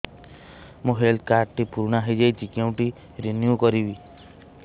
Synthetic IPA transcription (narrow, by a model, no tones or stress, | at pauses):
mũɦeld̪̚kaɾʈʈipuɾɽ̃aɦed͡ʒejd͡ʒikaw̃ʈi | ɾenjukɔɾibi